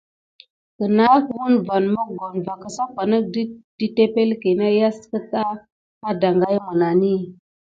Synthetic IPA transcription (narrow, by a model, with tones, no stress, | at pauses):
kə˨na˦wu˦nva˨nmə˦ɡo˨nva˨kə˨sa˦ka˨nə˦k̚di˦d̥i˦te˦pe˦lke˨na˦ja˦skə˦ta˦ | a˦da˨ŋɡa˦jmə˨na˨ni˦